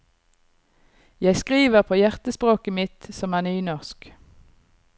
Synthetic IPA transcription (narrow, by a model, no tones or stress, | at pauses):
jæɪskʁiːʋəʁpʰoːjæʁt̪əspʁoːkəmɪt̪sɔmæːʁnyːnɔʁsk